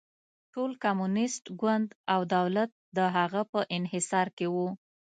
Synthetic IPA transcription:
ʈolkamunɪsʈɡwand̪awd̪awlat̪̚d̪əɦaɣapəʔɪnhɪsɑɾkewu

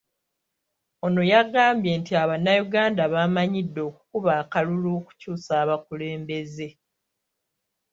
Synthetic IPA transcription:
o̞no̞jaɡaːmbje̞ːntiaβanːajuɡaːndaβamaɲidːo̞ːku̥kuβaːkaluluːku̥cuːsaːβakule̞ːmbe̞ze̞

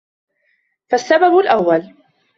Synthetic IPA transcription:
fasːababʊlʔawːal

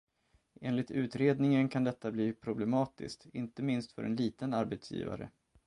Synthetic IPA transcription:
ʔeːnlɪt̪ʉ̟ːt̪ɾeːd̪nɪŋənkʰand̪ɛt̪ːabliːpʰɾʊblɛmɑːt̪ɪ̰skt̪ɪnt̪əmɪnst̪fœ̰ɾʔɛ̰nliːt̪ənaɾbɛt̪sjḭːva̰ɾə̰

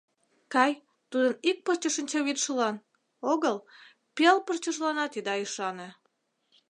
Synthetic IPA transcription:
kɑj | t̪ud̪ənik̚pərt͡ɕəʃənʲt͡ɕɑβit̪ʃəlɑn | oɣəl | pelpərt͡ɕəʒlɑnɑt̪id̪ɑiʃɑne

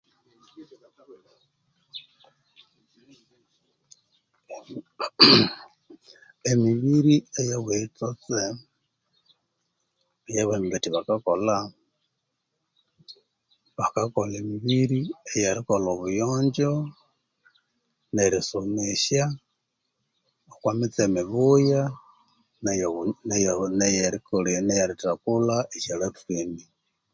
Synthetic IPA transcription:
emiβiɾiejawet͡sot͡se | ejaβemibetiβakakola | βakakolimiβiɾiejaɾikoloβujoːɲd͡ʒo | neɾisumeʃja | okwamit͡semiβuja | njnjnejeɾikolinejaɾitakulaʔeʃelefini

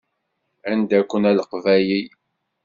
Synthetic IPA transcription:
ænd̪ækʷːənæləqvæji

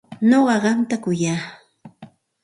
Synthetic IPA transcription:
noɢɑɢɑnt̪akʊjaː

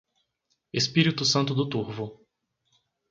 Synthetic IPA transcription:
espiɾit̪ʊsɐ̃nt̪ʊd̪ʊt̪uɾvʊ

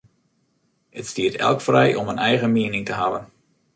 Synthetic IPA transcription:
ətstiətɛ̰lˠkfrɛjʔɔmənɛjɣəmiənɪŋtəɦavən

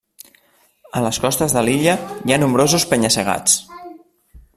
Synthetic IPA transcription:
ələskɔst̪əzðəliʎəjanumbɾozuspəɲəsəɣ̞a̰t͡s

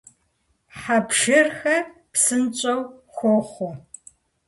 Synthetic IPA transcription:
ħapʃɪrxɐpsɨnt͡ʃʼɐwxʷɔχʷo

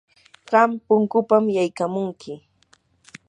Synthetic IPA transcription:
ɢɑmpʊŋkʊpamjajkamʊŋkʰɪ

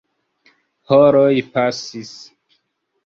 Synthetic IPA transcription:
hoɾojpasis

